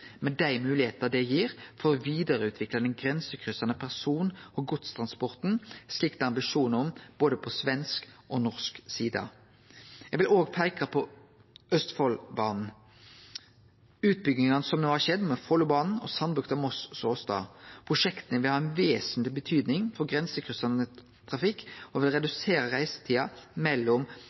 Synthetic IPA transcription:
mɛd̪æɪmʉːlɪheːt̪əd̪ɛjiːɾfɔɾɔʋiːd̪əɾəʉːt̪ʰʋɪklɑd̪ɛnɡɾɛnsəkʰʁʏsɑnəpʰæʁsuːnɔɡʊt̪st̪ʰʁɑnspɔʁt̪n̩slɪkt̪əɑmbɪʂuːnɔmb̥oːd̪əpʰɔsʋɛnskʔɔnɔʁsksiːd̪ɑ̰ | jæɡʋɪloːɡpʰæɪkɑpʰɔ | œst̪fɔlbɑːnn̩ | ʉːt̪̚bʏɡnɪŋɑnəsɔmnuːhɑʃɛd̪mɛfɔlːʊbɑːnn̩ɔ̰sɑnbʁʉkt̪ɑmɔssoːst̪ɑ̰ːpʰʁʊʂɛkt̪ənəʋɪlhɑːɛnʋeːsnt̪lɪbət̪ʰyːd̪nɪŋfɔɡʁɛnsəkʰʁʉsɑnə | t̪ʰʁɑfɪkːɔʋɪlʁɛd̪ʉseːɾəʁæɪsə̥t̪ʰiːɑmɛlːɔm

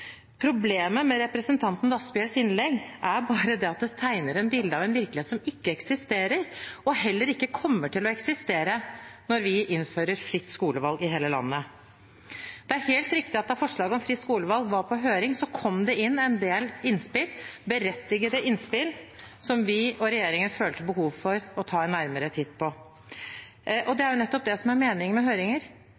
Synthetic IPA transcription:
pʰɾʊbleːməmɛɾɛpɾəsənt̪ʰɑnt̪n̩d̪ɑsbɪəlsɪnlɛɡæɾbɑːɾəd̪ɛɑt̪̚d̪ɛt̪ʰæɪnəɾɛnbɪld̪əɑːʋɛnʋɪɾklɪeːt̪sɔmɪkːəɛksɪst̪eːɾəɾɔhɛlːəɾɪkːəkʰɔmːəʈʰɪlɔɛksɪst̪eːɾənɔɾʋɪʔɪnføːɾəɾfɾɪt̪ːskuːləʋɑlɡɪɦeːləlɑ̰nːə | d̪̥ɛæɾheːlt̪ɾɪkt̪ɪɑt̪̚d̪ɑfɔʂɭɑːɡəɔmfɾɪt̪skuːləʋɑlɡʋɑɾpʰɔɦøːɾɪŋsɔkʰɔmd̪ɛʔɪnːɛnd̪eːlɪnspɪlbəɾɛt̪ːɪɡəd̪əʔɪnspɪlsɔmʋɪɔɾɛjeːɾɪŋənføːlt̪əbəhuːʋfɔɾɔt̪ʰɑːɛnːæɾməɾət̪ʰɪd̪pʰɔ | ʔɔd̪ɛæɾjʊnɛt̪ːɔp̚d̪ɛsɔmæɾmeːnɪŋmɛɦøːɾɪŋəɾ

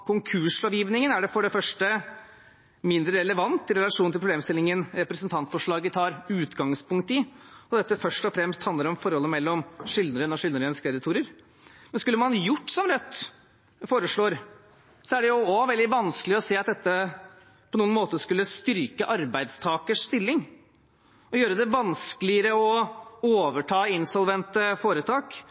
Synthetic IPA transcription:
kʰʊŋkʰʉʂɑːʋjiːʋnɪŋənæɖɛfɔɖɛfœʂʈə | mɪnd̪ɾəɾɛləʋɑnt̪ːɪɾɛlɑʂuːnɪlpɾb̪eːmst̪ɪlːɪŋənɾɛpɾɛsənt̪ʰɑnt̪fɔʂɭɑːɡət̪ʰɑːɾʉːt̪ɡɑŋspʰʊŋk̚t̪ɪɔd̪ɛt̪ːəfœʂʈɔfɾɛmst̪hɑnd̪əɾɔmfɔɾhɔlːəmɛlːɔmʂɪld̪əɾənɔʂɪlnəɾənskʰɾɛd̪ɪt̪ʰuːɾəɾ | mɛnskʉlːəmɑnjʊʈːsɔmɾœt̪ː | foːɾəʂɭoːɾ | sɔæɖɛjʊɔʋɛld̪ɪʋɑnskəlɪɔseːɑt̪d̪ɛt̪ːə | pʰɔnuːənmoːt̪əʂkʉlːəst̪ʏɾkəʔɑɾbæɪd̪st̪ʰɑːkəʂst̪ɪlːɪŋ | ɔjøːɾəd̪ɛʋɑnskəlɪəɾəɔoːʋəʈʰɑːɪnsɔlʋɛnt̪əfoːɾət̪ʰɑːk

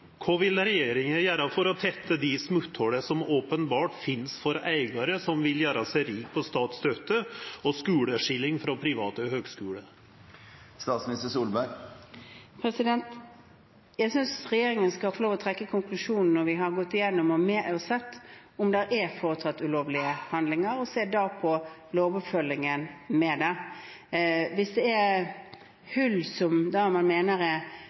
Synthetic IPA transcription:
kʰoʋɪlɾɛjeːɾɪŋəjæːɾɑfɔɾɔt̪ʰɛt̪ːəd̪ɪsmʉt̪hɔɽəsɔmoːpənbɑːʈfɪnsfɔɾæɪɡɑɾəsɔmʋɪljæːɾɑsæɪɾiːk̚pʰɔst̪ɑːt̪st̪œt̪ːəɔskʉːɽəʂɪlːɪŋfɾɔpʰɾɪʋɑːt̪əhøːɡskʉːɽə | st̪ɑːt̪smnɪst̪əsuːlbæɾ | pʰɾɛsɪd̪ɛnt̪ | jæɪsʏnsʁɛjeːɾɪŋənskɑfɔɾloːʋɔt̪ʰɾɛkːəkʰʊŋklʉʂuːnn̩ːɔɾʋɪɦɑɾɡɔt̪ːɪjɛnːɔmɔmɛɔsɛt̪ː | ʊmd̪ɛɾʔæfoːɾət̪ʰɑt̪ːʉloːʋlɪəhɑnd̪lɪŋəɾɔseːd̪ɑpʰɔ | loːʋɔpfœlːɪŋənmɛd̪ɛ | ʋɪsd̪ɛæɾ | hʉlsɔmd̪ɑmɑnmeːnəɾɛ

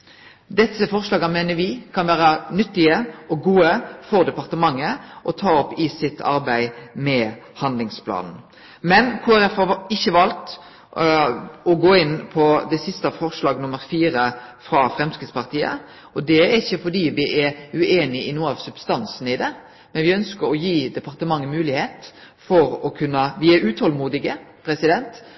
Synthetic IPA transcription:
d̪ɛsːəfɔʁʂlɑːɡɑmeːnəɾʋɪkʰɑnʋæːɾɑnʏt̪ːɪəɔɡuːəfɔɾd̪ɛpɑʁt̪əmɑŋːəʔɔt̪ʰɑːɔpːɪsɪt̪ʰːɑ̰ɾbæɪmɛhɑnd̪lɪŋspʰlɑ̰ːnn̩ | mɛnkʰuːæɾɛfhɑɪçːəʋɑlt̪ | ɔɡoːɪnːpʰɔd̪ɛsɪst̪ɑfɔɾʂlɑːɡnʊmːəɾfiːɾəfɾɑfɾɛmskəspʰɑɾt̪ʰiːə̰ | ɔd̪ɛæɾɪçːəfɔdiːʋɪʔɛɾʉʔeːnɪɪnuːɑʋsʉbst̪ɑnsn̩ɪd̪ɛ | mɛnʋɪœnskəɾɔjiːd̪ɛpʰɑɾt̪əmɑŋːəmʉːlɪheːt̪ | fɔɾɔkʰʉnːəʋɪæɾʉːt̪ʰhɔlmuːd̪ɪɡəpʰɾɛsɪd̪ɛnt̪

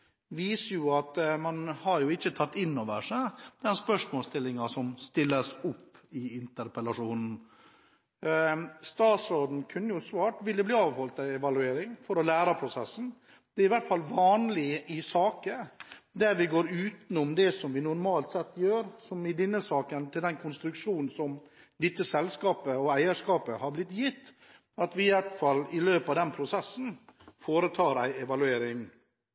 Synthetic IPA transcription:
ʋiːsəjʊɑt̪mɑnhɑɾjʊɪçːət̪ʰɑt̪ːɪnːoːʋəʂæd̪ɛnspœʂmoːlst̪ɪlːɪŋɑsɔmst̪ɪlːəsʊpːɪɪnt̪əɾpəlɑʂuːnn̩ | st̪ɑːt̪sɔd̪n̩kʰʉnːəjʊsʋɑːʈʋɪld̪əbliːɑːʋhɔlt̪ɑɛʋɑlʉeːɾɪŋfɔɾɔlæːɾɑpʰɾʊsɛsːn̩ | d̪̥ɛæɾɪʋæʈfɑlʋɑːnlɪʔɪsɑːkəd̪æɾʋɪɡoːɾʉːt̪n̩ʊmd̪ɛsɔmʋɪnʊɾmɑːlt̪sɛt̪ːjøːɾsɔmɪd̪ɪnːəsɑːkənt̪ʰɪld̪ɛnkʰʊnst̪ɾʉkʂuːnn̩sɔm | d̪ɪt̪ːəsɛlskɑːpəɔæɪəʂkɑːpəhɑɾblɪt̪ːjɪt̪ː | ɑt̪ʋɪɪʋæʈfɑlːɪløːpɑʋd̪ɛnpʰɾʊsɛsːn̩foːɾət̪ʰɑːɾæɪɛʋɑlʉeːɾɪŋ

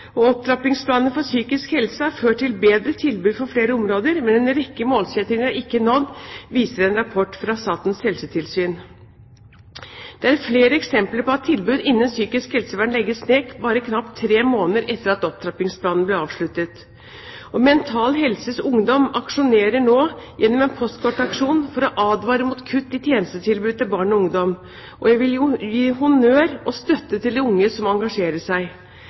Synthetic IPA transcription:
ɔɔp̚d̪ɾɑpɪŋspʰlɑːnəfɔsyːkɪskhɛlsəæɾføːʈʈːɪlbeːd̪ɾət̪ʰɪlbʉːd̪fɔɾfleːɾəɔmɾoːd̪əɾmɛnɛnɾɛkːəmoːlsɛt̪ɾɪŋəɾæɾɪkːənɔd̪ʋiːsəɾɛnɾɑpʰɔʈːfɾɑst̪ɑːt̪n̩shɛlsət̪ʰɪlsyːn | d̪̥ɛæɾfleːɾəɛksɛmpləɾpɔɑt̪ʰːɪlbʉːd̪ɪnːənsyːkɪskhɛlsəʋæːɳlɛɡːəsneːkbɑːɾəkʰnɑpt̪ʰːɾeːmoːnəɾɛt̪ːəɾɑt̪ɔp̚t̪ʰɾɑpɪŋspʰlɑːnnblɛɾɑːʋʂɭʉt̪ət̪ | ʔɔmɛnt̪ʰɑːlɦɛlsəsʊŋd̪ɔmɑkʂʊneːɾəɳoːjʔɛnːɔmɛːnpʰɔst̪kʰɔʈːɑkʂuːnfɔɾɔʔɑːd̪ʋɑːɾəmuːt̪kʰʉt̪ːɪt̪ʰjeːnəst̪ət̪ʰɪlbʉːd̪̚t̪ɪlbɑːɳɔʊŋd̪ɔm | ʔɔjæʋɪljʊjiːɦʊnøːɾɔst̪œt̪ːət̪ʰɪld̪ɛʊŋːəsɔmɑŋɡɑʂeːɾəʂæɪ

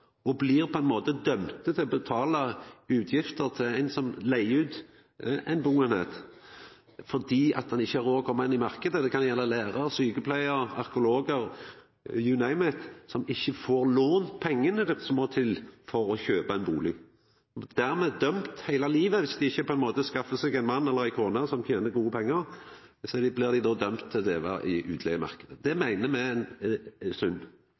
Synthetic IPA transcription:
ɔblɪɾpʰɔɛɪnmoːt̪əd̪œmt̪ət̪ʰɪlɔbət̪ʰɑːlɑʉːt̪ʰjɪft̪əʁt̪ʰɪæɪnsɔmlæɪʉːt̪ | ɛɪnbuːənḛt̪ | fɔd̪iːʔɑ̰t̪̚d̪ɛnɪçːəæɾoːkʰɔmɛnɪmɑʁkəd̪əd̪ɛkʰɑnjɛlːəlæːɾɑɾsyːkəpʰlæɪəɾɑ̰ɾkʊloːɡəɾ | jʉnæɪmɛt̪sɔmɪçːəfoːɾloːnpʰɛŋːənəd̪ɪt̪sɔmːoːt̪ʰɪlfɔɾɔçøːpɑɛɪnbuːlɪ | d̪̥æʁmɛd̪œmt̪hæɪlɑliːʋəʋɪsd̪ɪɪçːəpʰɔɛnmoːt̪əskɑfːəsɛɡæɪnmɑnːɛlːəʁæɪkʰoːnɑsɔmt̪ʰjeːnəɾɡuːəpʰɛŋːəʁ | sɔd̪ɪblɪʁd̪ɪd̪oːd̪œmt̪ʰːɪld̪eːʋɑ̰ʔɪʔʉːt̪ʰlḛɡəmɑ̰ʁkəd̪əd̪ɛmæɪnəmɛnsʉnː

